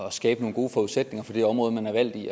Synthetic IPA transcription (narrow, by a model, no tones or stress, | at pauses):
ɒsɡ̥ɛːb̥əno̝ːnɡ̥o̝ːfɒused̥ne̝ŋɐfɒ̽d̥e̝ɒ̽mʁɔːðˠmænæʋæl̰d̥i